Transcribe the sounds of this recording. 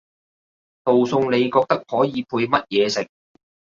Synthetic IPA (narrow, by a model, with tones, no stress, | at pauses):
t̪o˨wsʊ˧ŋne˨˧jkɔː˧k̚t̪ɐ˥k̚hɔː˨˥jiː˨˧pʰuː˧jmɐ˥t̚jɛː˨˧sɪ˨˩k̚